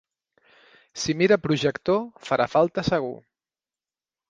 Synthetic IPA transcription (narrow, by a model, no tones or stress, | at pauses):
simiɾəpɾuʒəkt̪ofaɾʔafalˠt̪əsəɣ̞ṵ